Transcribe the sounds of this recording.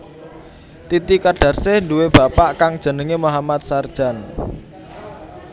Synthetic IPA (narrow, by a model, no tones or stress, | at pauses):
t̪it̪ikaɖ̥a̤rsehɳduweb̥a̤paʔkaŋd̥ʒ̥ə̤nəŋemoɦamat̪̚sard̥ʒ̥a̤n